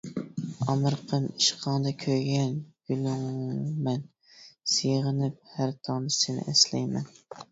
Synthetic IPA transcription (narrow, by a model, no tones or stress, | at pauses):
ɑmɨɾqʰəmi̥ʃqʰɑŋd̪ɑkʲʰøɡʲɛnɡ̥ylyŋmɛn | seʁənɪp̚hæɾt̪ʰɑnɨsenɪ̰ʔɛslɛ̰jmɛn